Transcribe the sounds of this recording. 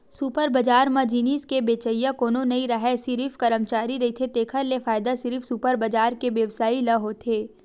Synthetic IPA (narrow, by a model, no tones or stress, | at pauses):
supəɾbɐd͡ʒaːɾmãd͡ʒiːniːskebeːt͡ʃəjãkoːnonɐiɾɐɦɛsɪɾifkɐɾəmt͡ʃaːɾiɾɐɦit̪ʰet̪eːkʰəɾlefaːɪd̪asɪɾifsupəɾbɐd͡ʒaːɾkeʋjɐʋsaːilɐɦot̪ʰeː